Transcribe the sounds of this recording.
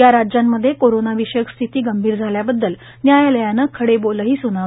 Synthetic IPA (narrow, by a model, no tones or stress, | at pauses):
jaɾad͡ʑjamːəd̪ʱːjekoɾonaʋiɕəkst̪ʰit̪iːɡəmbʱiːɾd͡zʱaljabəd̪ːəl | njajləjanəkʰəɽeboləɦiːsunaʋ